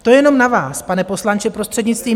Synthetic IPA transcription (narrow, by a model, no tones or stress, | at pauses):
t̪ojɛno̞mnavaːspanɛpo̞slant͡ʃɪpɾo̞st̪r̝̥ɛd̪ɲɪt͡st̪viː